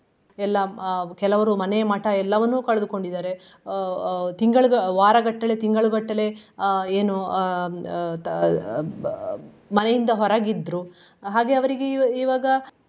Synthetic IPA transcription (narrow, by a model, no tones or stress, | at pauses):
ɛlːɐkɛlɐʋɐɾumɐnemɐʈɐɛlːɐʋɐnːuːkɐɭɐd̪uko̞ɳɖid̪aːɾe̞ | t̪iŋɡɐɭuɡɐʋaːɾɐɡɐʈːɐle̞t̪iŋɡɐɭuɡɐʈːɐle̞eːnu | mɐnejind̪ɐɦɔɾaːɡid̪ɾu | ɦaːɡe̞ɐʋɐɾiɡeiːʋaːɡɐ